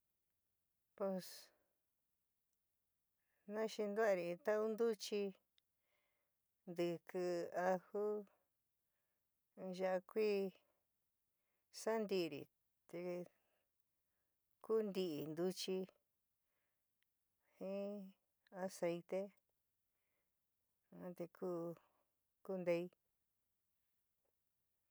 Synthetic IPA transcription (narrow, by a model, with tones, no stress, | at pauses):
po˧s | nã˦ʃi˧nd̪u˦a˧ɾi˧˨˧t̪a˦u˦nd̪u˦t͡ʃi˧ | nd̪ɨ˧kɨ˧a˧hu˦ | ʒa˧ʔa˧kʷiː˦ | sa˦nd̪i˧ɾḭ˨ | t̪e˧ | ku˦nd̪i˧ʔi˨nd̪u˧t͡ʃi˧ | hĩ˦ | a˧se˧jt̪e˦ | ã˧t̪e˧kʰuː˦ | ku˦˧nd̪e˧i˧